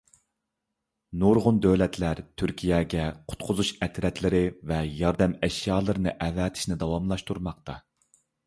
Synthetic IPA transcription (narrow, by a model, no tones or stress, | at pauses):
nuɾʁʊnd̪øwlɛt̪ʰlæɾt̪ʰyɾkʲʰijɛɡʲɛqʰʊ̥t̪qʰʊzuʃɛt̪ʰɾɛt̪ʰlɪɾɪvɛjɑɾd̪ɛmɛʃjɑːlˠɨɾɨnɨʔɛvɛːt̪ʰɪ̥ʃnɪd̪ɑwɑmlˠɑʃt̪ʰuɾmɑq̚t̪ʰɑ